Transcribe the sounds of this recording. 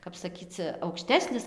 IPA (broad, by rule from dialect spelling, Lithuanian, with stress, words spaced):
kɐp sɐˈkʲiːt͡s ɐʊkˈʃʲtʲæːsʲnʲɪs